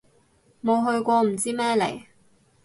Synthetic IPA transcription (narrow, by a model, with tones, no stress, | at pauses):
mo˨˧wɦɵ˧ɥkʷɔː˧m̩˨˩t͡siː˥mɛː˥lḛ˨˩j